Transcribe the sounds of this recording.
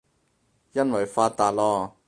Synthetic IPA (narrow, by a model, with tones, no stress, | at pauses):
jɐ˥nwɐ˨jfaː˧t̪̚aː˨t̚lɔː˧˥